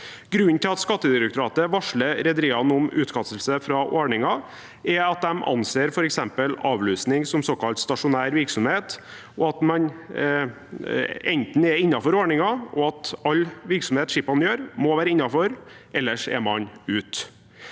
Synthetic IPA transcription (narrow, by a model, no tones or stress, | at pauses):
ɡ̥ɾʉnt̪ʰɪlɑt̪skɑt̪ːəd̪ɪɾɛk̚t̪ʊɾɑːt̪əʋɑʂɭəɾɛd̪əɾiːɑnɔmʉːt̪kɑsəlsəfɾɑʔoːɳɪŋɑ | ʔɛɑt̪̚d̪ɛmʔɑ̰nseːɾfɔɾɛksɛmpəlɑːʋlyːsnɪŋsɔmsoːkɑlt̪st̪ɑʂʊnæːɾʋɪɾksɔmheːt̪ | ɔɑt̪mɑn | ɛnt̪nɛɾɪnːɑfɔɾoːɳɪŋɑʔɔɑt̪ɑlːʋɪɾksɔmheːt̪ʂɪpːɑnjøːɾmɔʋæːɾəɪnːɑfɔɾʔɛlːəʂɛ̰mɑnʉːt̪